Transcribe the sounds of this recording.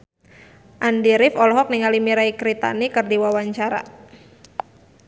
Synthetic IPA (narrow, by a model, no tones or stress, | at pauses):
ʔandiɾɪfɔlɔɦɔk̚niŋalimiɾaikɾit̪a̰nikɨrdiwawaɲt͡ʃaɾa̰